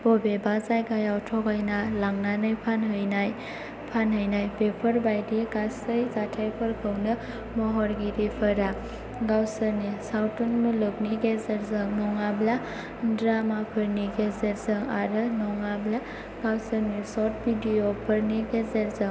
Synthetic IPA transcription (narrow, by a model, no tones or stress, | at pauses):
b̥ɔbebazajɡajawtʰɔɡajnalaŋnanɯjpʰanɦɯjnaj | pʰanɦɯjnajbepʰɯɾbajdiɡasɯjzatʰajpʰɯɾkʰɯwnɯ | mɔɦɔɾɡiɾipʰɯɾa | ɡawsɯɾnisawtɔnmulɯkniɡezeɾzɯŋnɔŋabla | dɾamapʰɯɾniɡezeɾzɯŋaɾɯnɔŋabla | ɡawsəɾnisɔt̚bidiopʰɯɾniɡezeɾzɯŋ